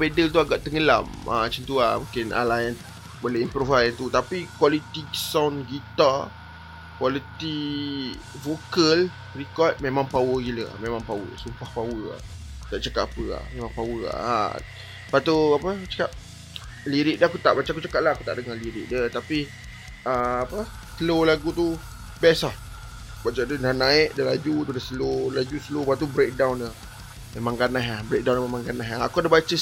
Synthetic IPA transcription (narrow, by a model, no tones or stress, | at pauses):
pedəlt̪̬uaɡaʔt̪əŋəla̰mʔa̰t͡ʃənt̪ua̰mukɪna̰lajən | boleimpɾovajnt̪ut̪apikwalit̪isawnɡit̪a | kwalit̪i | vokəl | rikɔt̪̚mẽmãŋpawəɡiləa̰mẽmãŋpawə̰sumpahpawəa̰ | t̪aʔt͡ʃakaʔapəa̰mẽmãŋpawəa̰a̰ | pat̪uapət͡ʃə̥kap̚ | liɾiʔ̚dəakut̪aʔbat͡ʃaakut͡ʃakaʔlahaku̥t̪a̰ʔdəŋaliɾḭʔ̚dət̪api | əapə | səlolaɡut̪u | bɛslah | bat͡ʃadənanaɪʔdəlad͡ʒut̪udasəlolad͡ʒusəlopat̪ubɾek̚dawndə | memãŋɡanaɦabɾek̚dawnmemãŋɡanaɦaakuadabat͡ʃə